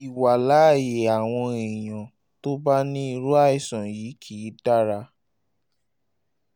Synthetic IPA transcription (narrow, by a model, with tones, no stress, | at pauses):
i˨wa˨la˨˦˨je˨a˨w̃ɔ̃˧e˨j̃ã˨ | to˦ba˦nĩ˦i˧ɾu˦a˦˨i˨sɔ̃˨ji˨˦kʰi˨˦da˦˨ɾa˧